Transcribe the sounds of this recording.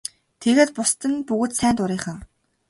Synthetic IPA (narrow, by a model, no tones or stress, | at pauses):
t̪ʰeɣeːt̪pʊst̪ə̆npuɣɵ̆t̪sæːnt̪ʊɾiːχə̆ŋ